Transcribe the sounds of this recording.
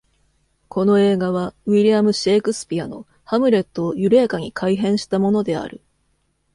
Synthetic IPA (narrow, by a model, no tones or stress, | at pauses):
ko̞no̞e̞ːɡaβaβiɾʲiamɯ̟ɕe̞ːkɯ̟sɨ̥pʲiano̞ | hamɯ̟ɾe̞t̪ːo̞ːjɯ̟ɾe̞ːkaɲ̟ikʰaiɦẽ̞ɰ̃ɕi̥t̪amo̞no̞d̪e̞a̰ɾɯ̟